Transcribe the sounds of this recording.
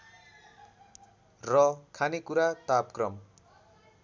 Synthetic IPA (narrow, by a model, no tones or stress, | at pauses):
rʌkʰanekuɾat̪apkrʌm